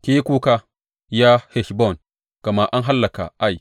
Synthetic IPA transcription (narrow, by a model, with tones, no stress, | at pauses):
kʲeː˦kʷuː˦ka˦ | jaː˦hɛ˨ʃbɔ˦˨n | kɐ˨ma˦ʔa˦ŋɦa˦lːɐ˨ka̰˨ʔa˦˨j